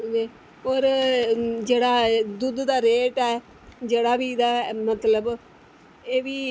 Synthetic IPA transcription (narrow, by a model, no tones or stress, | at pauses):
eː | oːɾ | d͡ʒeːɽaːd̪ʊd̪d̪aːɾeːʈɛː | d͡ʒeːɽaːʋiːd̪aːmət̪ləb | eːʋiː